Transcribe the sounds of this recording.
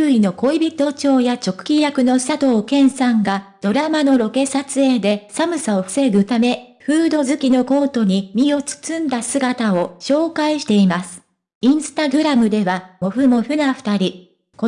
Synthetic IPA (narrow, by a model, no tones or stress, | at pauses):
ɾɯ̟ino̞ko̞ibʲit̪o̞t͡ɕo̞ːjat͡ɕo̞kɯ̟̥kʲijakɯ̟no̞sat̪o̞ːkẽ̞ɰ̃sãŋɡad̪̥o̞ɾamano̞ɾo̞ke̞sat͡sɨe̞d̪e̞samɯ̟sao̞ɸɯ̟̥se̞ɾɯ̟t̪ame̞ɸɯ̟ːd̪o̞zɨkʲino̞ko̞ːt̪o̞ɲ̟imʲio̞t͡sɨ̥t͡sɨ̃nd̪asɨɡat̪ao̞ɕo̞ːkaiɕi̥t̪e̞imasɨ̥ | ĩɰ̃sɨ̥t̪aɡɯ̟ɾamɯ̟d̪e̞βamo̞ɸɯ̟mo̞ɸɯ̟naɸɯ̟̥t̪aɾʲi | ko